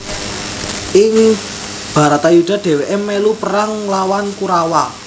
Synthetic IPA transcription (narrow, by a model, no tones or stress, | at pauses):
ɪŋ | b̥a̤ɾat̪ajud̪̥a̤d̪̥ɛ̤weʔemɛlupəɾaŋlawankuɾawa